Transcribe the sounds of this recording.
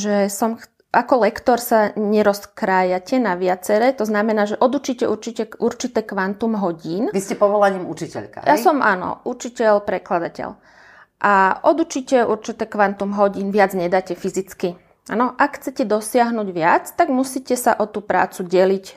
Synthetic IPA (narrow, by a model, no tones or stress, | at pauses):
ʒɛsɔmx | akɔlɛkt̪ɔɾsaɲɛɾɔskɾaːjacɛnaʋɪat͡sɛɾɛːt̪ɔznamɛnaːʒɛʔɔd̪ut͡ʃiːcɛʔuɾt͡ʃicɛʔuɾt͡ʃit̪ɛːkʋant̪umɦɔɟiːnʋiscɛpɔʋɔlaɲiːmut͡ʃicɛ̰ʎka̰jʔaɛsɔmʔa̰nɔ̰ʔut͡ʃicɛʎpɾɛklad̪acɛ̰ʎ | ʔaʔɔd̪ut͡ʃicɛʔuɾt͡ʃit̪ɛːkʋant̪umɦɔɟiːnʋɪad͡zɲɛd̪aːcɛfizit͡ski | ʔanɔʔakxt͡sɛcɛd̪ɔsɪaɦnuɟʋɪat͡st̪aɡmusiːcɛsaʔɔt̪uːpɾa̰ːt͡suɟɛlic